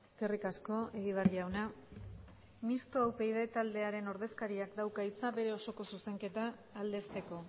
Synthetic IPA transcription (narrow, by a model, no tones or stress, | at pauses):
eske̞rikasko̞e̞ɣiβ̞arʎawna | mist̪oawpe̞jð̞e̞t̪ald̪e̞aɾe̞no̞ɾðe̞skaɾiakd̪awkait͡saβe̞ɾe̞o̞so̞ko̞suse̞ŋke̞t̪aː | ld̪e̞st̪e̞ko̞